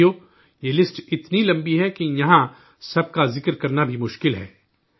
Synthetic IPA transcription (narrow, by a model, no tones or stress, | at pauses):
o | jeːlɪsʈɪt̪nilɐ̃mbiɦɛkijɐɦã | sɐb̚kazɪkɾkɐɾnabʱimʊʃkɪlɦɛ̰ː